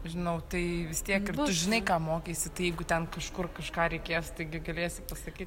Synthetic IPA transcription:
ʒʲɪnɐʊt̪ɐɪʋʲɪst̪ʲiɛkɪrtʊʒʲɪnɐɪkɑːmoːkʲeːsʲɪt̪ɐɪjɛɪɡʊt̪ʲɛnkɐʃkʊrkɐʃkɑːɾʲɛɪkʲeːst̪ɐɪɡʲɪɡɐlʲeːsʲɪpɐsɐkʲiːt̪ʲ

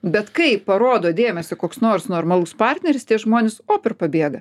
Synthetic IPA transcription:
bʲɛt̪kɐɪpɐɾoːd̪oːd̪ʲeːmʲɛsʲokoːksnoːrsnoːrmɐlˠuspɑrʲt̪ʲnʲɛɾʲɪst̪ʲiɛʒmoːnʲɪsoːpʲɪrpɐbʲeːɡɐ

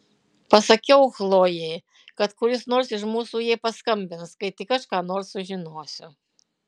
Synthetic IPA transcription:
pɐsɐkʲɔwxlˠɔjɛ | kɐt̪kulʲisnɔrsʲiʐmusujɛpɐskɐmʲbʲɛnskɐjt̪ikɐʂkanɔrsuʒʲinɔsʲɐ

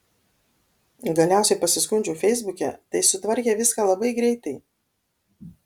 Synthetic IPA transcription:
ɡɐlʲæˑʊsʲɛɪpɐsʲɪskʊnʲd͡ʒʲuːfʲɛɪzbʊkʲɛ̰t̪ɐɪsʊt̪ʋɐɾʲkʲeʋʲɪskalˠɐbɐɪɡɾʲɛɪt̪ɐɪ

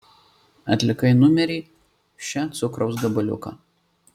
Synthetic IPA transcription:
ɐt̪ʲlʲɪkɐɪnʊmʲɛɾʲiː | ʃʲɛt̪sʊkɾɐʊsɡɐbɐlʲʊ̰kɐ̰ː

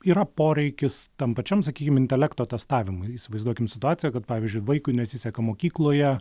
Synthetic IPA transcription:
iːɾɐpoːɾʲɛɪkʲɪst̪ɐmpɐt͡ʃʲɛmsɐkʲiːkʲɪmɪnʲt̪ʲɛlʲɛkt̪oːt̪ʲɛst̪ɑːʋʲɪmʊɪiːsʲɪʋɐɪzd̪uɔkʲɪmsʲɪt̪ʊɑːtt͡s̪ʲɪjɛkɐt̪̚pɑːʋʲɪzʲd͡ʒʲʊɪʋɐɪkʊɪnʲɛsʲɪsʲɛkɐmoːkʲiːklˠoːjɛ

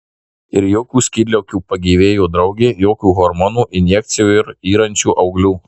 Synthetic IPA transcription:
ɪɾjoːkʲuːsʲkʲiːd̪ʲlʲɛʊkʲuːpɐɡʲiːʋʲeːjoːd̪ɾɐʊɡʲeːjoːkʲuːɣɔɾmɔnuːʔɪnʲjɛkt̪sʲɪjuːɪɾiːɾɐnʲt͡ʃʲuːʔɐʊɡlʲuː

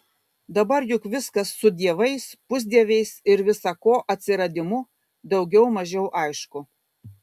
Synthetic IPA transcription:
d̪ɐbɐɾjʊkʋʲɪskɐsːʊd̪ʲiɛʋɐɪspʊzʲd̪ʲiɛʋʲɛɪsɪɾʋʲɪsɐkoːʔɐt̪ʲsʲɪɾɐd̪ʲɪmʊ | d̪ɒʊɡʲɛʊmɐʒʲɛʊʔɐɪʃkʊ

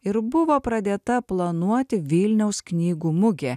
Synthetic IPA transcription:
ɪɾbʊʋoːpɾɐd̪ʲeːt̪ɐplˠɐnuɔt̪ʲɪʋʲilʲnʲɛʊsknʲiːɡuːmʊɡʲeː

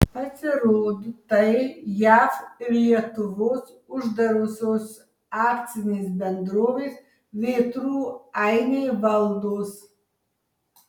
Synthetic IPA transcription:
pʰat͡sʰaɾoːdtajjaːfriɛtʰuvos | uʒd̪aɾosos | aːkt͡sʰɨniːsbɛnd̪roːves | veːtʰruːajnevaldos

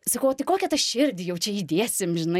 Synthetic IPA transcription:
sɐkɐʊt̪ɐɪkoːkʲɛt̪ɐʃʲɪɾʲd̪ʲɪjɛʊt͡ʃʲɛid̪ʲeːsʲɪmʒʲɪnɐ

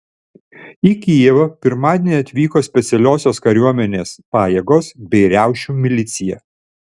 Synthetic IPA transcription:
ikʲiɛʋɐpʲɪɾmɑːd̪ʲenʲɐt̪ʲʋʲiːkoːsʲpʲɛt̪sʲɛlʲoːsʲoːskɐɾʲuɔmʲɛnʲeːspɑːjɛːɡoːsbʲɛɪɾʲæˑʊʃʲumʲɪlʲɪt̪sʲɪjɛ̰

